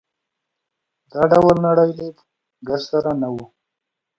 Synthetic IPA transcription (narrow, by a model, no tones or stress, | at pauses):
d̪ɑɖawalnaɽajd̪eb | ɡassaɾanawu